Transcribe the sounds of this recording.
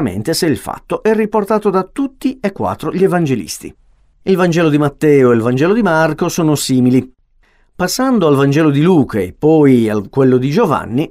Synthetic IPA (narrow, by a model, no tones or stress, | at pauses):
mḛnt̪eseilfa̰t̪ːoʔɛrːiport̪aːt̪od̪at̪ut̪ːiekːwa̰t̪ːɾoʎievand͡ʒelḭst̪ḭ | ilvand͡ʒɛːlod̪imat̪ːɛːoelvand͡ʒɛːlod̪imarkosɔːnosiːmili | pasːand̪oalvand͡ʒɛːlod̪iluːkʰaepːɔjakːwelːod̪id͡ʒova̰nːi